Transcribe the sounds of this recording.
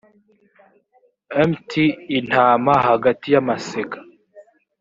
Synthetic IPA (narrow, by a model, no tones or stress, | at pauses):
emtʰiːn̥haːmahaɡatijamaseɡḁ